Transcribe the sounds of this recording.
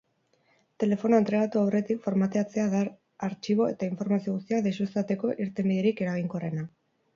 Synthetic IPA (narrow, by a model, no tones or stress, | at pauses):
t̪e̞le̞fo̞noent̪ɾe̞ɣ̞at̪uawre̞t̪ikfo̞ɾmat̪e̞at͡se̞aðaɾ | aɾt͡ʃiβ̞o̞e̞t̪aiɱfo̞ɾmasio̞ɣ̞ust̪iaðesuest̪at̪e̞ko̞ʔiɾt̪e̞mbiðeɾike̞ɾaɣ̞iŋkore̞na